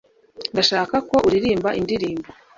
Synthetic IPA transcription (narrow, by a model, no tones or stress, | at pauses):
ndaʃaːkako̞ʔuɾiɾiːmbaʔindiɾiːmbo